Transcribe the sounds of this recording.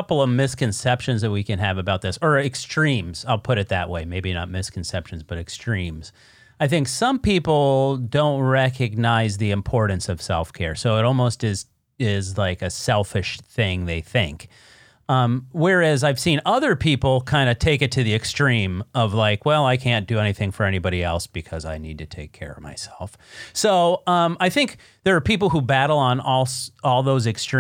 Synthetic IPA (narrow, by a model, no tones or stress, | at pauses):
ʌpl̩ˠʌvmɪskɨ̃nsɛpʃɨ̃nzðɨt̚wikɨ̃nɨvɨbaʊt̪̚ðɪsə˞ɨkstɹ̥ĩmz̥aɪlˠpʰʊɾɨt̪̚ðɨ̰ʔ̚weɪmeɪbinə̰t̚mɪskʰn̩sɛpʃɨ̃n̩zbʌɾɨkstɹ̥ĩmz̥ | aɪθɪ̃ŋksʌ̃mpipl̩ˠdõʊ̃nt̚ɹɛkɨɡ̚naɪzðiɨ̃mpʰɔɹʔn̩sʌv̥sɛ̰lˠfkʰɛ̰ɹsoʊəɾɔlˠmoʊstɪz | ɪzlaɪkɨsɛlˠfɨʃθɪ̃ŋðeɪθɪ̃ŋk | ʌ̃mwɛ˞æzaɪv̥sĩnʌðə˞pʰipl̩ˠkʰãɪ̃ndɨtʰeɪkɨtʰɨðiɨkstɹ̥ĩmʌvlaɪkwɛlˠaɪkʰæ̃nd̥ɨɛniθɪ̃ŋfə˞ɛñibɑɾiɛlˠsb̥ɨkʰʌza̰ɪnid̚tʰɨtʰeɪkʰɛ̰ɹʌ̰vma̰ɪsɛlˠf | soʊʌ̃maɪθɪ̃ŋk̚ | ðə˞ːpʰipl̩ˠɦubæɾl̩ˠə̃nɔlˠsɔlˠðoʊzɨkst